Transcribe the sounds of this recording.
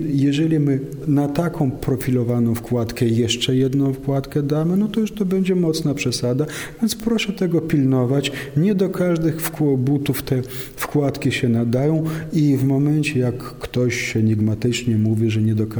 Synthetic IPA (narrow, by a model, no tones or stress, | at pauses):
jɛʐɛlʲimɘ | nat̪akʰɔ̃w̃pɾɔfʲilɔvanɔ̃w̃fkwat̪kɛjɛʂt͡ʂɛjɛd̪nɔ̃w̃fkwat̪kɛd̪amɘnɔt̪ɔjuʂt̪ɔbɛɲd͡ʑɛmɔt̪snapʂɛsad̪a | vʲjɛnt̪spɾɔʂɛt̪ɛɡɔpʲilnɔvat͡ɕɲɛd̪ɔkʰaʐd̪ɘxfkwɔbut̪uft̪ɛ | fkwat̪kʲiɕɛnad̪ajɔ̃w̃ivmɔmɛnt͡ɕɛjakːt̪ɔɕɕɛɲiɡmat̪ɘt͡ʂɲɛmuvʲiʐɛɲɛd̪ɔk